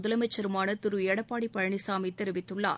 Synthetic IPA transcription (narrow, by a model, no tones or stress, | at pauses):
ʊðɐlɐmɐt͡ʃːɐɾɯmaːnɐt̪ɪɾɯeːɽɐpːaːɽipɐɻɐɳisaːmit̪ːɛɾɪʋɪt̪ːɯɭːa̰ː